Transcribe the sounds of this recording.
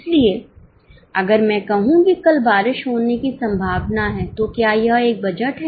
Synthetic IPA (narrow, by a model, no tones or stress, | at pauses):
ɪslie | ɐɡəɾmɛ̃ːkɐɦũkikɐlbaːɾɪʃɦoːnekisɐ̃mbʱaːʋnaɦɛːt̪okjaːjɐɦeːk̚bɐd͡ʒəʈɦɛ